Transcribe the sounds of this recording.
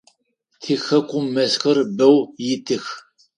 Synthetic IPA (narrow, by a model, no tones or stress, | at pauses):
tʰiːxɐkʷʼʊmːɐzxɨrbɐwjɪtʰɨx